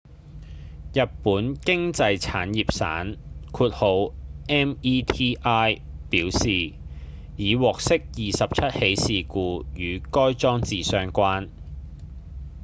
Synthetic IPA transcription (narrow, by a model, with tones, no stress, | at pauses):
jɐ˨t̚puː˨˥nkɪ˥ŋt͡sɐ˧jt͡sʰa̰ː˨˥njiː˨p̚sa̰ː˨˥nkʰuː˧t̚ho˨˧wʔɛː˥miː˥t̪ʰiː˥ʔaː˥j | piː˨˥wsiː˨ | jiː˨˧wɔː˨k̚sɪ˥k̚jiː˨˩sɐ˨p̚t͡sʰɐ˥t̚he˨˥jsiː˨kuː˧jyː˨˧kɔː˥jt͡sɔː˥ŋt͡siː˨sœː˧ŋkʷaː˥n